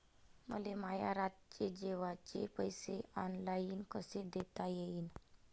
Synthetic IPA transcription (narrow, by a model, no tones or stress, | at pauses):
mə̰lemajaɾat̪̚t͡ɕed͡ʑeʋat͡ɕepəjseɔnlaiːnkəsed̪et̪ajeiːn